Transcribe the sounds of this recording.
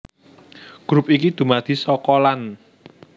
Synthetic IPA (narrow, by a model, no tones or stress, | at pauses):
ɡ̥ɾupikid̪̥ṳmad̪̥i̤sɔkɔlan